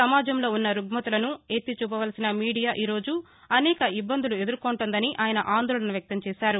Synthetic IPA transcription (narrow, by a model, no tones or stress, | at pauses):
ɐmaːd͡ʒɐmlo̞ːunːɐɾuɡmɐt̪ulɐnuet̪ːit͡ʃuːpɐʋɐlɐsinɐmiːɽijaːʔiːɾo̞ːd͡ʒu | ɐnɛːkɐibːɐnd̪ulue̞d̪uɾkoːɳʈond̪ɐniʔaːjɐnɐʔaːnd̪oːɭɐnɐʋjɐk̚t̪ɐmt͡ʃɛːʃaːɾu